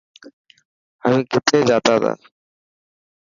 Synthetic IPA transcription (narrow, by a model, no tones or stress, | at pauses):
əmĩːkɪt̪ʰeːd͡ʒaːt̪aːd̪a̰ː